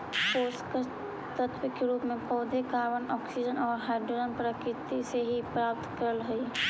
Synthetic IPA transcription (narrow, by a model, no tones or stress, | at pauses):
poːskə | t̪ət̪ʰwɪkːeɾuːpmẽpɔːd̪ʱekaːɾʋənɔːksid͡ʒənɔːɾɦaːɪɖɾod͡ʒənpɾəkɾɪt̪iseɦipɾaːp̚t̪kəɾəlɦɐi